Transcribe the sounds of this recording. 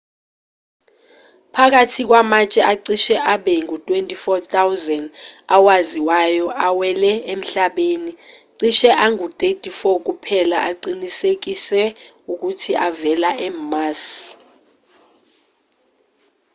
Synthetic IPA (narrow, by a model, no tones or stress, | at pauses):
pʰak̬atʰik̬wamat͡ʃʼɛʔaǀiʃɛʔaɓɛŋutʼwentʼifɔtʰawzɛndawaziwajɔʔawɛlɛem̩ɬaɓeniǀiʃɛʔaŋut̪ʼetʼifɔk̬upʰɛlaʔaǃinisek̬isɛ | uk̬utʰiʔavɛlaɛmas